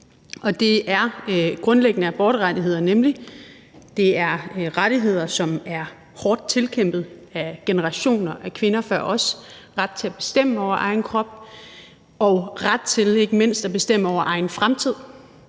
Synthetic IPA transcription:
ʔɒ̽d̥e̝æɐɡ̥ʁɔ̽nleɡ̥ənəæb̥ɒːɾ̥əʁɑ̈diɦe̝ð̞̰ˠɐnemli | d̥e̝æɐʁaɾ̥iɦe̝ð̰ˠɐsɒ̽mæɐ | hɒːd̥̚t͡sʰe̝lkʰem̰b̥ð̞̩ˠæɡ̥enəʁɑ̈ɕo̝̰ːnɐʔækʰʋe̝nɐfɶɐʔɒ̽sʁad̥̚t͡sʰe̝læb̥e̝sd̥em̰əɒʊ̰ɐʔɑ̈ɪn̩kʰʁɒ̽b̥ | ɒʊʁad̥̚t͡sʰe̝le̝ɡ̥əme̝n̰sd̥æb̥e̝sd̥em̰əɒʊɐʔɑ̈ɪn̩fʁamt͡sʰið̞̰ˠ

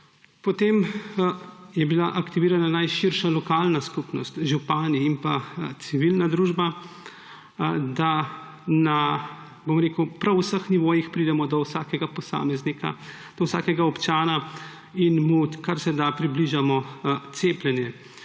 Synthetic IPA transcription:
pɔt̪em | jɛbilaʔakt̪iʋiːɾananajʃiɾʃalɔkaːlnaskupnɔst̪ʒupaːniːmpat̪siʋilnad̪ɾuːʒba | d̪a | na | bomɾeːkwpɾawsəxniʋoːjixpɾid̪ɛmɔd̪ɔwsaːkɛɡapɔsa̰ːmɛznika̰ | d̪̥ɔwsa̰ːkɛɡaɔpt͡ʃaːna | inmukaɾsɛd̪apɾibliʒamɔt̪seːplʲɛnjɛ

